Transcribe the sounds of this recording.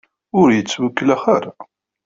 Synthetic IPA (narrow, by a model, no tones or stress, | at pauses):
ʊɾjət͡sːwækːəlæχaɾa